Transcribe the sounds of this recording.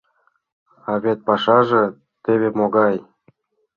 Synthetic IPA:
ɑβet̪̚pɑʃɑʒĕ | t̪eβemoɣɑj

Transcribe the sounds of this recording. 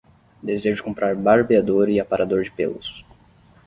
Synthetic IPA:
d̪ezeʒʊd͡ʒɪ̥kõmpɾaɾbaɾbiad̪oɾɪapaɾad̪oɾd͡ʒɪpḛlʊ̰s

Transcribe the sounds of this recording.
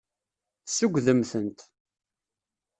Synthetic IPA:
θsəɡʷðəmθənt̪

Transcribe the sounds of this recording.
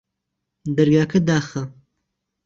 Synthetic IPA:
d̪ɐɾɡaːkʰɐd̪aːxɐ

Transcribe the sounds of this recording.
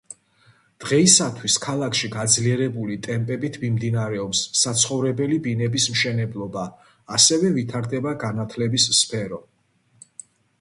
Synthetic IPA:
d̪̥ʁɛisat̪ʰwiskʰalˠakʰʃiɡad̪zliɛɾɛbulit̪ʼɛmpʼɛbit̪ʰmimd̪inaɾɛɔpsːat̪sʰχɔvɾɛbɛlibinɛbismʃɛnɛblˠɔbaː | sɛvɛvit̪ʰaɾd̪ɛbaɡanat̪ʰlɛbisːpʰɛɾɔ

